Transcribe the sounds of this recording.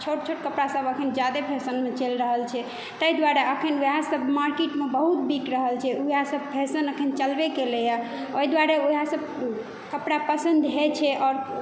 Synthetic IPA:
t͡ʃʰoʈt͡ʃʰoʈkəpɽasəbəkʰənd͡ʒad̪epʰesənmet͡ʃelɾəɦəlt͡ʃʰɛ | t̪əid̪waɾeʔəkʰənasəbmaɾkiʈmebəɦut̪̚bikɾəɦəlt͡ʃʰɛujasəbpʰesənəkʰənt͡ʃəlbekeleja | oid̪waɾeuasəb̚ | kəpɽapəsə̃nd̪ʱɦet͡ʃʰɛʔɔːɾ

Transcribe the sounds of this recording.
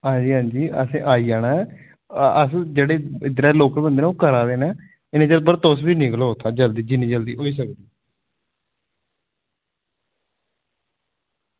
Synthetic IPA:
ɦãːɲd͡ʒiːɦãːɲd͡ʒiːə̰sẽːʔaːiːd͡ʒaːnaː | əsd͡ʒeːɽeːɪd̪ɾɛːloːkɾbənd̪eːnɛoːkəɾaːd̪eːnɛː | ɪnẽːd͡ʒəɾpəɾt̪osbiːnɪkloːot̪ʰaːd͡ʒəld̪iːd͡ʒɪnːĩːd͡ʒəld̪iːɦoːiːs̬əkd̪iː

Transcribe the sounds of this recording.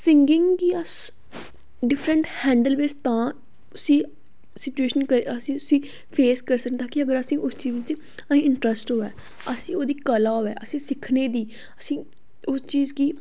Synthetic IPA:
sɪŋɡɪŋɡɡiːəs | ɖɪpʰɾəɳʈhɛ̃ːɳɖəlʋet͡ʃt̪ãː | ʊsĩː | sɪt͡ʃueːʃənkəɾeəsĩːʊsĩː | pʰeːskəɾsəkd̪aːkɪəɡəɾəsĩːʔʊst͡ʃiːzɪt͡ʃ | əɦĩːɪɳʈɾəsʈɦoːɛː | əsĩːoːd̪iːkəlaːɦoːɛːʔəsĩːsɪkʰneːd̪iː | əsĩː | ʊst͡ʃiːzkiː

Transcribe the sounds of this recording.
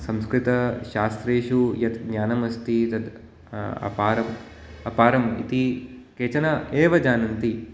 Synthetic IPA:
sɐmskɾɪt̪ɐʃaːst̪ɾeːʃujɐt̪ɡɲaːnɐmɐst̪it̪ɐd̪ | ɐ̰paːɾɐm | ɐ̰paːɾɐmḭt̪ikeːt͡ʃɐnɐeːʋɐd͡ʒaːnɐnt̪i

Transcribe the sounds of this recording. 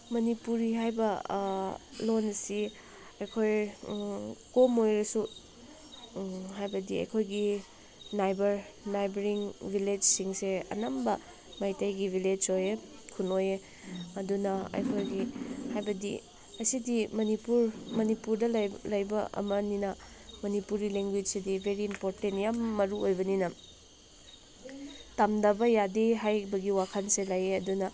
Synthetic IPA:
mɐnipuɾiɦajbɐ | lonsi | ɐjkʰoj | komojɾɐsu | ɦajbɐdiɐ̰jkʰojɡi | najbɐɾnajbɐɾiŋbʱiled͡ʒsiŋseɐ̰nɐmbɐ | mɐjtɐjɡibʱiled͡ʒoje | kʰunoje | ɐdunɐɐ̰jkʰolɡihajbɐdḭ | ɐsidimɐnipuɾmɐnipuɾdɐllɐjbɐʔɐ̰mɐninɐ | mɐnipuɾɡileŋɡwid͡ʒsedibʱeɾiːmpoɾtentjamːɐɾuojbɐninɐ | tɐmdɐbɐjadeɦajbɐɡiwakʰɐnselajeɐdunɐ

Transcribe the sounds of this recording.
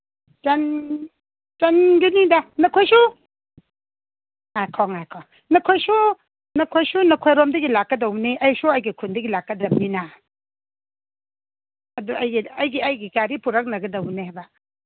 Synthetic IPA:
d͡ʒɐn | d͡ʒɐnɡinidanɐkʰojsu | ajkʰɔŋajkʰɔŋ | nɐkʰojsu | nɐkʰojsunɐkʰojɾomdɐɡilakːɐdawniʔɐjsuɐjɡikʰundɐɡilakːɐdɐm̚nina | ɐduɐjɡiɐjɡiɐjɡikaɾipʰuɾɐk̚nɐɡɐdɐwnehajba

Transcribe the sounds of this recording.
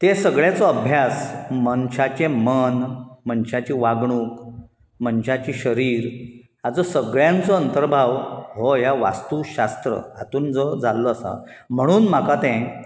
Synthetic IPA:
t̪esəɡɭjat͡sɔəbʱjasmənɕat͡ɕẽmənmənɕat͡ɕiːʋaɡɳuːk | mənɕat͡ɕiːɕəɾiːɾ | ad͡zɔsəɡɭjãnt͡sɔənt̪əɾbʱaʋɦoɦjaʋa̰st̪uːɕast̪ɾə̰ɦat̪uːnd͡zəd͡zalːɔːsa̰ | m̤əɽ̃uːnm̤akat̪ɛ̃

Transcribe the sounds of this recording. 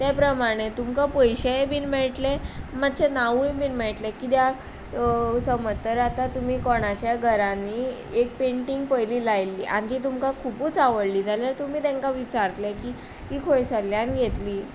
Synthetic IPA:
t̪epɾəmaɽ̃et̪umkapəjɕeebinmeɭʈlemat̪ːt͡ɕenaʋũjbinmeɭʈlekit̪ja | səmət̪ːəɾat̪at̪um̤iːkɔɽ̃at͡ɕjaɡʱəɾaniː | ek̚peɳʈiŋɡ̚pəjliːlajlːḭːʔa̰ñk̪iːt̪̬umkakʰupuːt͡saʋəɽliːd͡zʱaljaɾt̪um̤iːt̪ẽŋkaʋit͡ɕaɾt̪lekiː | iːkʰojsəljanɡʱet̪liː

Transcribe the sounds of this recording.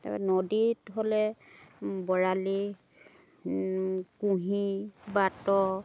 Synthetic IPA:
ta̰ɛ̰nɔditɦolɛ | bɔɹali | kũɦibatɔ

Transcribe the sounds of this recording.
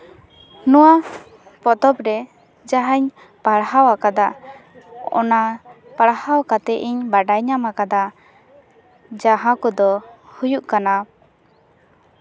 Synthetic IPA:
nɔwa | pɔt̪ɔpɾɛ | d͡ʒaɦaɲ | paɽhawakad̪aʔ | ɔ̰na | paɽhawkat̪ɛʔiɲbaɖajɲamakad̪aʔ | d͡ʒaɦãkɔd̪ɔhujuʔkana

